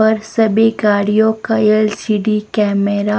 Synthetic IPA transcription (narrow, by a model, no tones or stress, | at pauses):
ɐɾsɐbeɡaːɽijõkaelsiːɖikɛːmeɾa